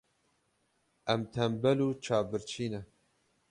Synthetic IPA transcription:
ʔɛmt̪ʰɛmbɛluːt͡ʃʰaːbɨɾt͡ʃʰiːnɛ

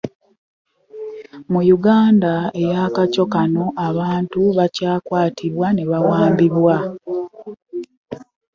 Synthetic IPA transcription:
mujuɡaːndaejaːkaco̞kano̞ʔaβaːntuβacaːkwaːtʰiβwaneβawaːmbiβwa

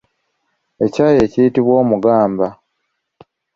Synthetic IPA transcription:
e̞caːje̞ːcijitiβwo̞ːmuɡaːmba

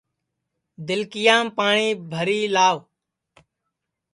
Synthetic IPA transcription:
d̪ɪlkɪjãːmpaːɳiːbʱəɾiːlaːʋ

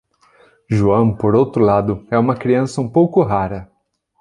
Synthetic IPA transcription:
ʒuɐ̃w̃poɾowt̪ɾʊlad̪ʊɛũmɐkɾiɐ̃sɐũpowkʊɦaɾɐ

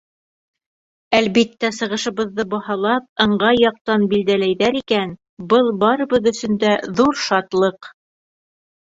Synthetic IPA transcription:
ælβit̪ːæsɤ̆ʁɤ̆ʃɤ̆βɤ̆ðːɤbɑhɑlˠɑp̚ɤ̆ɴɢɑjːɑq̚t̪ɑnbild̪ælæjðæɾikæn | bɤlˠbɑɾɤ̆βɤðɵ̆sɵ̆nd̪æðuɾʃɑt̪lˠɤq

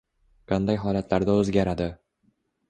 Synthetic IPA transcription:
qɑnd̪ajɦɒlat̪laɾd̪aɵzɡʲaɾad̪ɪ

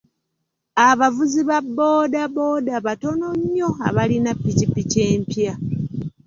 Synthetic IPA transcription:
aβavuziβabːo̞ːdabo̞daβato̞no̞ɲːo̞a̰βalinapːicipːice̞ːmpja

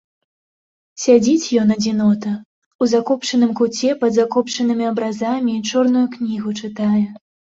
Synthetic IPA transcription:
sʲad͡zʲit͡sʲjɔnɐd͡zʲinɔt̪ɐ | uzakɔpt͡ʂɐnɨmkut͡sʲɛpɐd̪zakɔpt͡ʂɐnɨmʲiɐbɾazamʲit͡ʂɔrnujuknʲiɣut͡ʂɨt̪ajɛ

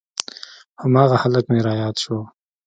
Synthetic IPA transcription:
hamɑːɣahaləkmeɾɑːjɑːd̪ʃo

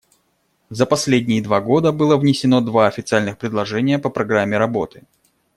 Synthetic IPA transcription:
zəpɐsʲlʲedʲnʲɪjɪd̪vaɡo̞d̪əbɨlˠəvnʲɪsʲɪno̞d̪vaɐfʲɪt̪sɨalʲnɨxpɾʲɪd̪lˠɐʐɛnʲɪjəpəpɾɐɡɾamʲːɪɾɐbo̞t̪ɨ̥

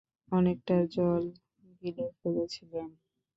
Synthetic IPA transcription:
ɔnek̚ʈad͡ʑɔl | ɡilefod͡ʑet͡ɕʰilen

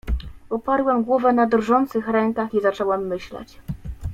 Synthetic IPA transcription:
ɔpaɾwɛmɡwɔvɛnad̪rʐɔnt̪sɘxɾɛŋkaxizat͡ʂɛwɛmːɘɕlɛ̰t͡ɕ

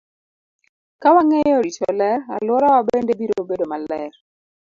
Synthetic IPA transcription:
kawaŋejɔɾit͡ʃɔlɛɾa̰lwɔɾɔwabendebiɾoobedomalɛr

